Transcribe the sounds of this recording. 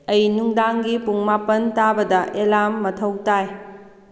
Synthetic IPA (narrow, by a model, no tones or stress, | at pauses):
ɐjnuŋdaŋɡipuŋmapɐntabɐdɐʔelamːɐtʰɐwtaj